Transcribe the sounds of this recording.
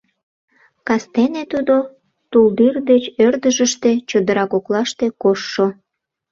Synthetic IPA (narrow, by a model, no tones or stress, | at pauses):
kɑst̪enet̪ud̪o | t̪uld̪ird̪et͡ɕørd̪əʒəʃt̪et͡ɕod̪əɾɑkoklɑʃt̪ekoʃːo